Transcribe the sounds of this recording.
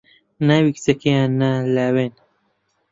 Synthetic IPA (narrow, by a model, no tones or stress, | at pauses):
nawikt͡sɐkejanalawen